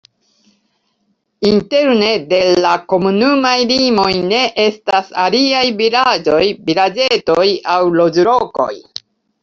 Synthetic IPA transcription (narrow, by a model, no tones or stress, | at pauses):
inte̞ɾne̞de̞llako̞munumajlimo̞jne̞ʔe̞stasa̰liajvilad͡ʒo̞jbiɾad͡ʒe̞tojawlo̞d͡ʒɾo̞ko̞̰j